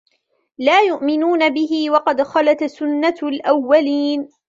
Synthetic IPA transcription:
laːjʊʔmɪnuːnabɪɦɪwɑqɑd̪xɑlat̪sʊnːalʔawːaliːn

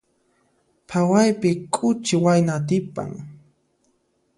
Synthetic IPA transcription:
pʰawajpɪkʼʊt͡ʃɪwajnat̪ɪpa̰ŋ

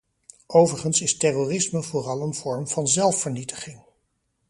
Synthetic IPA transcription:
owvəɹχənsɪstɛroːrɪsməvʊːrɑlˠənv̥ɔɹmv̥ɑnzɛlˠfəɹnitə̥χɪŋ

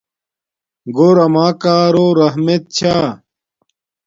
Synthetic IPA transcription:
ɡoːɾɐmaːkaːɾoːɾɐɦmet̪̚t͡ɕʰaː

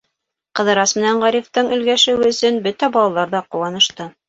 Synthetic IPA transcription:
qɤ̆ðɤ̆ɾɑsmɘ̆næɴʁɑɾift̪ɤɴɵ̆lɡæʃɘ̆wɘɵ̆sɵnbɵt̪æbɑlˠɑlˠɑɾðɑquwɑnɤ̆ʃt̪ɤ

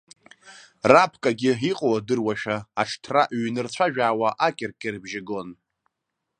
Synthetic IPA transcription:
rapʰkʼaɡʲɪiqʼowadɨrwaʃᶣaːʈ͡ʂʰtʰraʔɥnɨrt͡ɕʷʰaʒᶣaːwaʔakʲʼɪrkʲʼɪrbʒɪɡo̞n

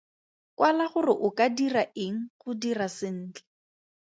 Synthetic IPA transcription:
kwalaχʊrɪʔʊkadiraʔɪŋ̩χʊdirasɪn̩ːt͡ɬɛ̥

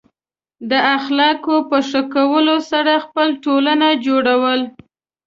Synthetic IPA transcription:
d̪əaxlɑkopəʂəkawəlosaɾaxpəlʈolanad͡ʒoɽawəl

